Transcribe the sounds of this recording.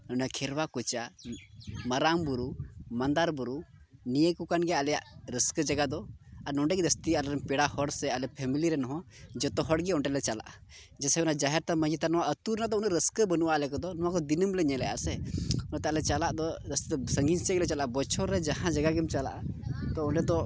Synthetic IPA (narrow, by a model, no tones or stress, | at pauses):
nɔɳɖakʰɛɾwakɔt͡ʃa | maɾambuɾumand̪aɾbuɾu | nijəkukanɡɛʔalɛjaʔɾəskəd͡ʒaɡad̪ɔaɾnɔɳɖɛɡɛd̪əst̪ialɛɾɛmpɛɽahɔɽsɛalɛpʰɛmiliɾɛnɔɦɔ̃d͡ʒɔt̪ɔɦɔɽɡɛɔɳʈɛlɛt͡ʃala̰ʔa | d͡ʒɛsɛɛunad͡ʒaɦɛɾt̪amə̃d͡ʒit̪anɔwaʔət̪uɾnad̪ɔunəʔɾəskəbənuʔaʔlɛkɔd̪ɔnɔwakɔd̪inəmlɛɲɛlɛja̰sɛunɔt̪ɛalɛt͡ʃalaʔd̪ɔd̪əst̪it̪ɔsəŋɡinsəklɛt͡ʃalaʔabɔt͡ʃʰɔɾːɛd͡ʒahãd͡ʒaɡaɡɛmt͡ʃala̰ʔat̪ɔɔɳʈɛd̪ɔ